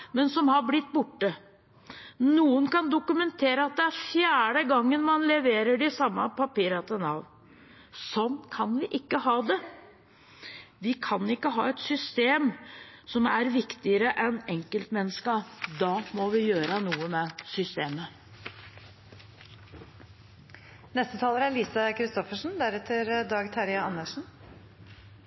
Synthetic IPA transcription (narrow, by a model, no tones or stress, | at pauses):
mɛnsɔmhɑɾblɪt̪ːbʊʈːə | nuːənkɑnd̪ʊkʉmɛnt̪ʰeːɾəɑt̪̚d̪ɛæɾfjæːɖəɡɑŋːənmɑnlɛʋeːɾəɖɪsɑmːəpʰɑpiːɾɑt̪ənɑʋ | sɔnːkʰɑnʋɪʔɪkːəɦɑːd̪ɛ | ʋɪkʰɑnɪkːəɦɑ̰ːɛt̪sʏst̪eːmsɔmæɾʋɪkt̪ɪəɾəʔɛnɛŋkəlt̪mɛnːəskɑd̪ɑːmɔʋɪjøːɾənuːəmɛsʏst̪eːmə | nɛst̪ət̪ʰɑːləɾæɾliːsɑkʰɾɪst̪ɔfəʂn̩d̪æɾɛt̪ʰəɾd̪ɑːɡt̪ʰɑɾɪɑɑnːəʂn̩